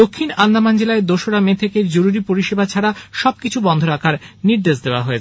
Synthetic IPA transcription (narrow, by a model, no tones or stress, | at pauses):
d̪okʰːinand̪amand͡ʑelaed̪oʃoɾamet̪ʰekeɾd͡ʑoɾuɾipoɾiʃebat͡ɕʰaɾaʃɔb̚kit͡ɕʰubɔnd̪ʱoɾakʰaɾniɾd̪eʃd̪eoa̰ɦoet͡ɕʰe